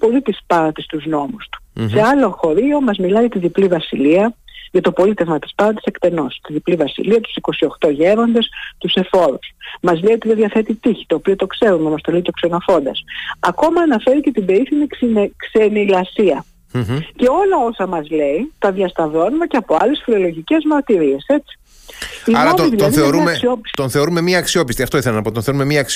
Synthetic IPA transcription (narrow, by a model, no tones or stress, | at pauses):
po̞lit̪ispɐnɐt̪ist̪uzno̞must̪u̥se̞ɐlo̞xo̞ɾio̞mɐzmilɐjʝɐt̪iðiplivɐsiliɐʝɐt̪opo̞lit̪e̞vmɐt̪i̥spɐnɐt̪i̥se̞kt̪e̞no̞st̪iðiplivɐsḭliɐt̪u̥siko̞sio̞xt̪o̞ʝeɾo̞nd̪e̞st̪use̞fo̞ɾusmɐzleiot̪iðeðʝɐθet̪it̪içi̥t̪o̞ːpiot̪o̞kse̞ɾumemɐst̪o̞leit̪oksenofo̞nd̪ɐ̰sɐko̞mɐːnɐfe̞ɾicet̪ibeiθinikkse̞nilɐsiɐ | ce̞o̞lɐo̞sɐmɐzle̞it̪ɐðjɐst̪ɐvo̞nume̞ceɐpo̞ɐle̞sfilo̞lo̞ʝice̞zmɐɾt̪iɾie̞se̞t͡si̥ | iɾɐoiðiloɐðiθeoɾuɐmessio̞pi̥st̪onθe̞oɾume̞miɐːksio̞pist̪iɐft̪oiθelɐnɐpot̪onθeɾumemiɐks